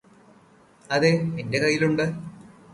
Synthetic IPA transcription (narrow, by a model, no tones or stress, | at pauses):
ɐðeminde̞kɐjːiluɳɖɨ